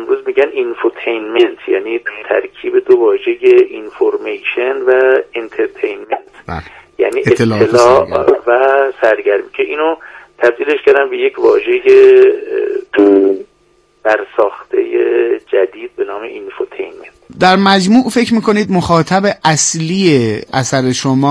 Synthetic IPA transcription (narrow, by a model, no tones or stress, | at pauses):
emɾuːzmiːɟæninfoɾt̪ʰejnment̪ʰjæːniːd̪t̪ʰæ̰ɾkʰiːbe̞d̪ovɒːʒe̞jeʔinfoɾmejʃenvæent̪ʰeɾt̪ʰejnment̪jæ̰niːet̪ːelɒːʔvæsæɾɟæɾmicʰeʔiːnot̪ʰæbd̪iːleʃkæɾd̪ænbe̞jecʰvɒ̰ːʒe̞je | b̥æɾsɒːxt̪ʰḛjed͡ʒæd̪iːd̪̚be̞nɒːmḛʔinfot̪ʰejnment̪d̪æɾmæd͡ʒmuːʔfe̞cʰmiːko̞niːd̪moxɒːt̪ʰæbeʔæsliːeʔæsæɾe̞ʃomɒː